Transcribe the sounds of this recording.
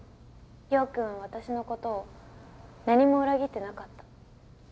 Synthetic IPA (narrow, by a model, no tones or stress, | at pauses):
ɡʲo̞ːkɯ̟̃ɰ̃β̞at̪aɕino̞ko̞t̪o̞ː | naɲ̟imo̞ɯ̟ɾaɡʲit̪ːe̞nakat̪ːḁ